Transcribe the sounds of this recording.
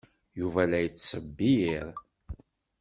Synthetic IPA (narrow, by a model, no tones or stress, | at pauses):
juvælæjət͡sːsəbːijiɾ